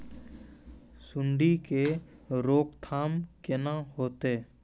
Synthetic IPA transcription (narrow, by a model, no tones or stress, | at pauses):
sʊɳɖikeɾoːkt̪ʰaːmkenaɦoːt̪eː